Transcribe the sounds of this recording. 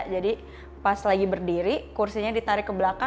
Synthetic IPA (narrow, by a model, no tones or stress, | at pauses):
d͡ʒadi | paslaɡibərdiɾikursiɲadit̪aɾɪkːəbəlaka